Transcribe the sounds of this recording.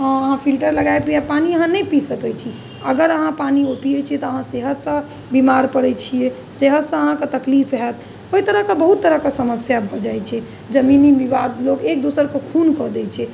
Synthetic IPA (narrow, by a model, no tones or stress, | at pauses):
əɦãpʰilʈəɾləɡajpɾiapaniəɦãnəjpisəkɛt͡ʃʰi | əɡəɾəɦãpanioʈijet͡ʃʰiɛt̪ɔəɦãseɦət̪sə̃ | bimaɾpəɽɛt͡ʃʰije | seɦət̪sə̃əɦãket̪əklipʰɦɛt̪ | oit̪əɾəɦkebəɦut̪ːəɾəɦkesəməsjabʱɔd͡ʒajt͡ʃʰɛ | d͡ʒəminibibad̪lokek̚d̪osəɾkokʰunkɔd̪ɛt͡ʃʰɛ